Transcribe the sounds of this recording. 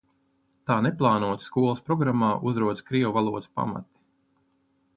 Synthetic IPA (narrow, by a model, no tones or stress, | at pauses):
t̪aːneplˠɑːnuɔt̪sskuɔlˠəspɾɔɡɾamːaːʔuzɾuɔt̪skɾiɔvalˠuɔt̪spa̰ma̰t̪i̥